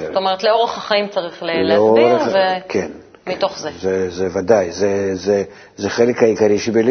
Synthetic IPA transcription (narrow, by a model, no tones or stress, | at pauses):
t̪omeʁet̪leo̞ʁeχaχaimt͡saʁiχleleoɾevekʰʲen | mit̪o̞χzezɛzɛvad̪ajzɛzɛ | zɛχelekajikaɾʲiʃebelʲ